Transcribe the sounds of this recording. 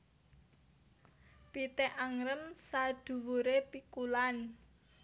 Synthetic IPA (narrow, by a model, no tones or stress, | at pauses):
pit̪eʔaŋɾəmsad̪̥ṳwuɾepikulan